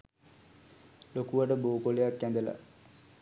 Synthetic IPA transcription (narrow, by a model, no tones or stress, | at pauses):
lokuʋaʈəboːkolejakːænd̪əla̰